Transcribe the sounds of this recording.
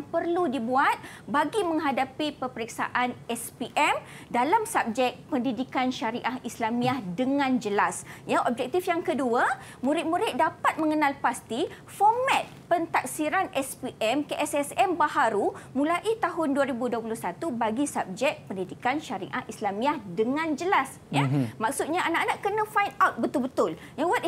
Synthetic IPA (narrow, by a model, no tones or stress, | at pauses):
ŋpərludibuat̪̚ | baɡimə̃ŋɦadapipəpəɾik̚sa̰ʔanɛspiʔɛm | dalamsap̚d͡ʒɛk̚pəndidikanʃaɾiʔahislamĩahdəŋãnd͡ʒəlasjaʔɔp̚d͡ʒɛk̚t̪ifjaŋkədua | mũɾɪt̪̚mũɾɪt̪̚dapat̪̚mə̃ŋənalpast̪i | fɔmɛ̃t̪̚pənt̪ak̚siɾanɛspiʔɛmkəʔɛsɛsɛmbahaɾumũlaʔit̪aɦʊnduaɾibuduəp̬ulʊhsat̪ubaɡisap̚d͡ʒɛk̚pəndidikanʃaɾḭʔahʔislamiahdəŋãnd͡ʒəlas | jamãksut̪̚ɲaanaʔanaʔkənãfajnawt̪̚bət̪ʊlbət̪ʊl | jawat̪